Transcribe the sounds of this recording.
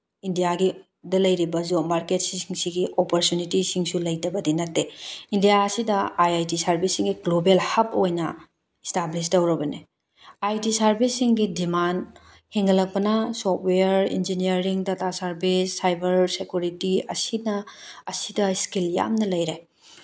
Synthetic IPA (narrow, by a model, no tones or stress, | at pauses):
indijaɡi | dɐlɐjɾibɐzomaɾket̚siŋsiɡiʔopoɾtjunitisiŋsulɐjtɐbɐdinɐtːeindijaɐsidɐajajtisaɾbʱisiŋɡiɡlobelhɐp̚ojnɐ | establis̬dɐwɾɐbɐne | ajtisaɾbʱisːiŋɡidiman | heŋɡɐlɐk̚pɐnɐsɔt̚ʰweɐɾḭnd͡ʒiniɐɾiŋdɐtasaɾbisːajbɐɾsekjuɾitiɐ̰sinɐːsidɐskilja̰mnɐlɐjɾe